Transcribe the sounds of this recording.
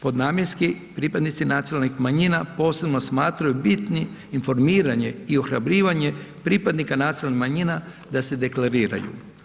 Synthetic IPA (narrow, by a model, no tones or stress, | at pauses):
po̞d̪naːmjeɾski | pɾipad̪nit̪sinat̪sionalnixmaɲinapo̞ːse̞bno̞smaːt̪ɾajubit̪niː | nfo̞ɾmiːɾaɲe̞io̞xɾabɾiːʋaɲe̞pɾiːpad̪nikanat̪sinalnixmaɲina | d̪ase̞d̪e̞klaɾiːɾa̰jṵ